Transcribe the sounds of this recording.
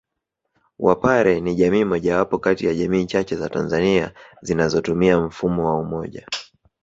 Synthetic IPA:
wʔa̰paɾɛniʄamiːmɔʄawapɔkatijaʄamiːt͡ʃat͡ʃɛzatanzaniazinazɔtumiam̩fumɔwaumɔʄa

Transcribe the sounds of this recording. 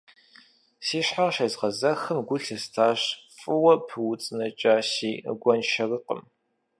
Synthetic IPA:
siːɕħaʁʃɐzʁɐzɐxɨmɡʷʊɬɐstʰaːɕfʼɨwɐpʰɨwʊt͡sʼɨnɐt͡ʃʼaːɕḭːɡʷɔnʃɐrɨqə̰m

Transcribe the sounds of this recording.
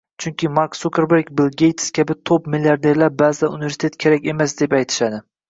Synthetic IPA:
t͡ʃʰʊŋkʲʰɪmaɾksukʲʰeɾbeɾkbɪlˠɡʲejt̪ʰskʲʰabɪt̪ʰopmilʲjaɾd̪e̞ɾlaɾbazaunɪve̞ɾsɪt̪ʰet̪̚kʲʰe̞ɾakʲe̞masd̪epajt̪ʰɪ̥ʃad̪ɪ

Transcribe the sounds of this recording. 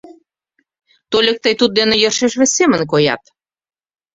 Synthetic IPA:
t̪olʲək̚t̪əjt̪ut̪̚d̪enejərʃeʃβesʲemə̆nk̬ojɑ̰t̪

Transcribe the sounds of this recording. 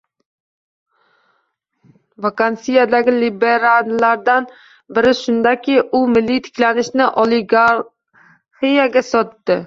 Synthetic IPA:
vakansijad̪aɡʲɪlibeɾallːaɾd̪an | bɪɾɪʃʊnd̪akʲʰɪʊmɪlːijt̪ʰɪ̥kʲlanɪʃnɪʔolˠɪɡaɾ | hijaɡʲasɒt̪ːɪ

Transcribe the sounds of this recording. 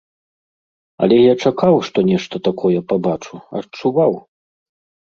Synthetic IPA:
ɐ̰lʲɛjat͡ʂakawʂt̪ɔnʲɛʂt̪ɐt̪akʰɔjɛpabat͡ʂuɐ̰t͡ʂuvaw

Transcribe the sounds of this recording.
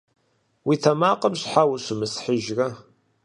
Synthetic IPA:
wiθæmaqəmʃħawəsəməsħiʒɾa

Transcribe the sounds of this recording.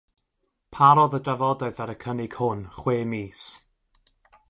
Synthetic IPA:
pʰaɾɔðədavɔdɛɨðaɾəkʰənɪɡ̥hʊnχweːmiːs

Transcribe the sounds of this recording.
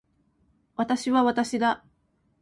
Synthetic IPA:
βat̪aɕiβaβat̪aɕid̪a

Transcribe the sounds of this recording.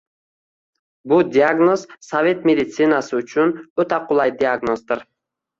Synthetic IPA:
bʊd̪ʲiaɡno̞z̥savʲe̞t̪mʲed̪ʲit̪sinasɨʊt͡ʃʰʊnøt̪aqʰʊlˠɑjd̪iaɡno̞zd̪ɪɾ

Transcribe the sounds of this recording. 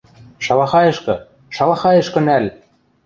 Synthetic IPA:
ʃɑlɑxɑjɤ̆ʃkɤ̆ | ʃɑlɑxɑjɤ̆ʃkɤ̆nælʲ

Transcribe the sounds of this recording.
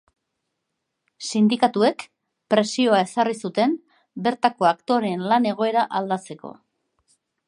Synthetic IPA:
sind̪ikat̪ue̞k | pɾe̞sio̞ae̞sarisut̪e̞m | be̞ɾt̪ako̞akt̪o̞ɾe̞nlane̞ɣ̞o̞e̞ɾaʔald̪at͡se̞ko̞̰

